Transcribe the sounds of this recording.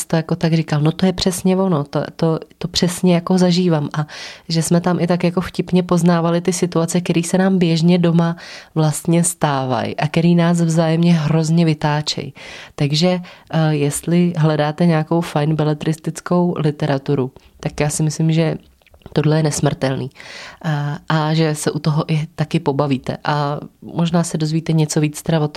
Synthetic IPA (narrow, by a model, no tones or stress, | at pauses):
st̪ojako̞t̪aɡrikalno̞t̪o̞jɛpr̝̥ɛsɲɛvo̞not̪o̰t̪o̞t̪o̞pr̥ɛsɲɛjako̞zaʒiːvaːmʔaʒɛsmɛt̪amʔɪt̪akjako̞fcɪpɲɛpo̞znaːvalɪt̪ɪsɪt̪uat͡sɛk̪ɛɾiːsɛnaːmbjɛʒɲɛdo̞mavlast̪ɲɛst̪aːva̰jʔakɛɾiːnaːs̬vzaːjɛmɲɛɦɾo̞zɲɛvɪt̪aːt͡ʃɛ̰jt̪aɡʒɛjɛst̪lɪɦlɛdaːt̪ɛɲɛako̞wfajnbɛlɛt̪ɾɪst̪ɪt͡sko̞wlɪt̪ɛɾat̪uɾut̪akjaːsɪmɪslɪmʒɛ | t̪odlɛjɛnɛsmr̩t̪ɛlnḭː | ʔaʒɛsɛʔut̪oɦoʔɪt̪akɪpo̞baviːt̪ɛ̰ʔamoʒnaːsɛdo̞zviːt̪ɛɲɛt͡so̞viːt͡st̪ɛɾavot̪